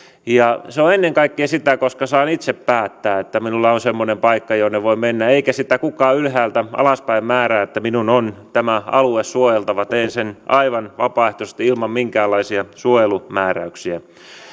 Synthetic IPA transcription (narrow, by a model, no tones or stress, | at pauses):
jɑseoenːeŋkɑikːiɑsit̪ækoskɑsɑːnit̪seppæːt̪ːæːet̪ːæminulːɑonsemːonempɑikːɑjoneʋoimenːæeikæsit̪ækukɑːylhæːlt̪æɑ̰lɑspæimmæːræːet̪ːæminunont̪æmæɑluessuojelt̪ɑʋɑt̪eːnsenɑiʋɑnʋɑpɑˑeht̪ose̥t̪iilmɑmmiŋkæːlːɑisiɑsuojelumæːræ̰yksiæ